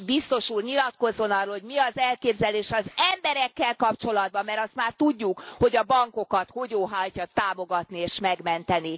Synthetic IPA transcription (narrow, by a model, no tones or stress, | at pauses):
bist̪o̞ʃuːrɲilɒt̪ko̞zːo̞nɒrːoːlhoɟmiɒzɛlkeːbzɛleːʃɒzɛmbɛɾɛkːɛlkɒpt͡ʃo̞lɒd̪̚bɒmːɛɾɒst̪maːrt̪uɟːukho̞ɟɒbɒŋko̞kɒt̪ho̞ɟoːɦajcɒt̪aːmo̞ɡɒt̪nieːʃmɛɡmɛnt̪ɛni